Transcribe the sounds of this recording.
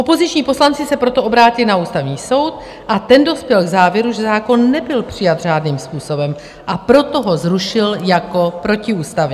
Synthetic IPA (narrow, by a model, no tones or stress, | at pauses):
ʔo̞po̞zɪt͡ʃɲiːpo̞slant͡sɪsɛpɾo̞t̪oʔo̞bɾaːcɪlnauːst̪avɲiːso̞wt̪̚ | ʔat̪ɛndo̞spjɛlɡzaːvjɛɾuʒɛzaːko̞nːɛbɪlpr̝̥ɪjad̪ʒ̝aːdniːmspuːso̞bɛm | ʔapɾo̞t̪o̞ɦo̞zɾuʃɪljako̞pɾo̞cɪuːst̪avɲɛ